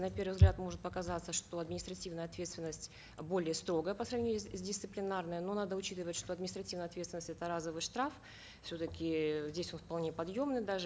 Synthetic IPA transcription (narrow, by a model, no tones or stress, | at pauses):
nɐpʲe̞rvɨvzɡlʲat̪mo̞ʐɨt̪̚pəkɐzat̪səʂt̪o̞ɐd̪mʲɪnʲɪst̪ɾɐtʲivnəjəɐt̪vʲe̞t̪st̪vʲɪnːəsʲtʲ | bo̞lʲɪjəst̪ɾo̞ɡəjəpəsɾɐvnʲijʊsʲdʲɪst̪sɨplʲɪnarnəjəno̞nad̪əʊt͡ɕit̪ɨvətʲʂt̪o̞ɐd̪mʲɪnʲɪst̪ɾɐtʲivnjɐt̪vʲest̪ʲvʲɪnəsʲɛt̪əɾazəvɨʂt̪ɾaf | fsʲo̞t̪əkʲɪzʲdʲesʲo̞nfpɐlˠnʲepɐd̪jo̞mnɨjd̪aʐɨ